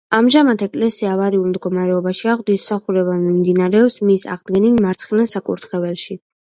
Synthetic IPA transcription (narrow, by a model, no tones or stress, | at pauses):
amʒamat̪ʰɛkʼlɛsiavaɾiulˠmd̪ɡɔmaɾɛɔbaʃiaʁwd̪issaχuɾɛbamimd̪inaɾɛɔpsmisa̰ʁd̪ɡɛnilmaɾt̪sʰχnasakʼṵɾt̪ʰχɛvɛlˠʃi